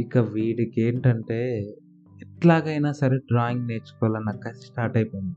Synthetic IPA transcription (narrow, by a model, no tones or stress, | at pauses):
ikːɐʋiːɽikeːɳʈɐɳʈe̞ː | ɛʈlaːɡɐjnaːsɐɾeɖɾaːiŋɡneːt͡ʃu̥kɔːlɐnːɐkːɐsʈaːɾʈɐjpoːjind̪i̥